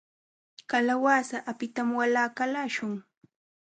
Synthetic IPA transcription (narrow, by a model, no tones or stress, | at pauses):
kalawaːsaʔapɪt̪amwalaːkalaːʃʊŋ